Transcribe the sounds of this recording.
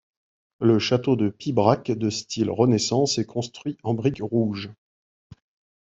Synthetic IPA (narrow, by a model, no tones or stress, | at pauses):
ləʃat̪od̪əpibʁakd̪əst̪ʰilʁənesɑ̃sɛkʰɔ̃st̪χɥiɑ̃bʁikʁuʒ